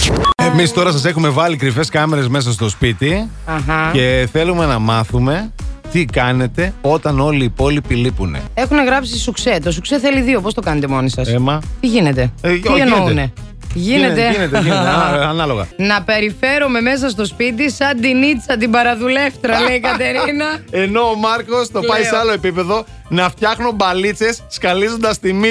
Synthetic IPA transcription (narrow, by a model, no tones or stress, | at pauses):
emist̪o̞ɾɐsɐs̬e̞xume̞vɐlikɾife̞skɐme̞ɾe̞zme̞s̬ɐst̪o̞spit̪iɐxɐce̞θe̞lume̞nɐmɐθume̞t̪ikɐne̞t̪e̞o̞t̪ɐno̞liːpo̞lipilipune̞̰e̞xune̞ɣɾɐpsisukse̞t̪o̞sukseθeliðio̞post̪o̞kɐne̞t̪emo̞nisɐsemɐt̪iʝine̞t̪e̞ienoune | ʝinet̪enet̪enet̪ɐɐnɐlo̞ɣɐ̰nɐpe̞ɾife̞ɾome̞me̞s̬ɐs̬t̪o̞spit̪̬isɐnd̪init͡sɐt̪̬ibɐɾɐðule̞ft̪ɾɐleikɐt̪e̞ɾinɐe̞no̞ːmɐɾko̞st̪o̞pɐiseɐlo̞e̞pipe̞ðo̞ | nɐft̪çɐxnombɐlit͡se̞sːkɐlizo̞nd̪ɐst̪imi